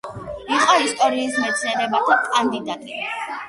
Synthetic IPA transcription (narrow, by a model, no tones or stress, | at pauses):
iqʼɔist̪ʼɔɾiːsmɛt̪sʰnɛɾɛbat̪ʰakʼand̪id̪at̪ʼi